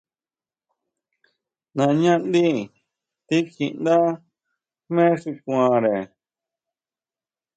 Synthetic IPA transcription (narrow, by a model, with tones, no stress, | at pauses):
nã˧ɲã˦nd̪i˦ | t̪i˦ki˧ʔnd̪a˦ | mẽː˦ʂu˧kʷã˧˨ɾe˨